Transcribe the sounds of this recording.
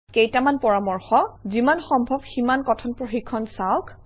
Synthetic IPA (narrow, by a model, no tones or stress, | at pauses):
kejtamanpɔɹamɔɹxɔzimanxɔmbʱɔbximankɔtʰɔnpɹoxikʰːɔnsawk